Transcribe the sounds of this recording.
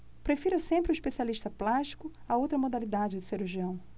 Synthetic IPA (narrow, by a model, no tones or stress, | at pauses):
pɾefiɾɐsẽmpɾɪʊiʃpesialiʃt̪ɐplaʃt͡ʃi̥kʊ | ɐowt̪ɾɐmod̪alid̪ad͡ʒɪd̪ɪseɾuʒiɐ̃w̃